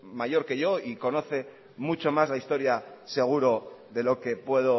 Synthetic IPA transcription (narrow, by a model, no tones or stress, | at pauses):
maʝo̞ɾke̞ʝo̞iko̞no̞θe̞ | mut͡ʃo̞mazlaist̪o̞ɾjase̞ɣ̞uɾo̞ðe̞lo̞ke̞pwe̞ðo̞